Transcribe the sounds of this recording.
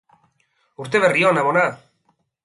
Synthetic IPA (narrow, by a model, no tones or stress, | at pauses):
uɾt̪e̞βe̞rionaβona